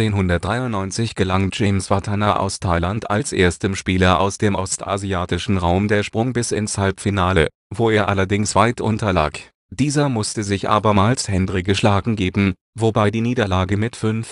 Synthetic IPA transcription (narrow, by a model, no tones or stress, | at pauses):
eːnhʊndɐt̚d̥ʁaɪʊntnɔʏnt͡sɪçɡ̥əlaŋd͡ʒɛɪmsv̥atʰanaʔa̰ʊstʰaɪlanta̰lsʔeːɐstəmʃpiːlɐʔa̰ʊsd̥eːmʔɔstʔa̰ziaːtɪʃn̩ʁaʊmdeːɐʃpʁ̥ʊŋbɪsɪ̰nshalpfinaːlə̰ | voːeːɐʔalɐdɪŋsv̥aɪtʔʊ̰ntɐla̰ːk | d̥iːzɐmʊstəzɪçʔa̰ːbɐmaːlshɛndʁɪɡəʃlaːɡŋ̩ɡeːbm̩ | vobaɪdiːniːdɐlaːɡəmɪtfʏnf